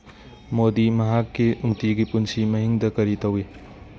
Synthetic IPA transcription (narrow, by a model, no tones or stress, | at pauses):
modimɐɦakːiumtiɡipunsimɐɦiŋdɐkɐɾitɐwi